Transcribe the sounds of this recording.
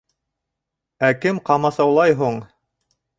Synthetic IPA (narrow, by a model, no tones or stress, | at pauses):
ækɘmqɑmɑsɑwlˠɑjɦuɴ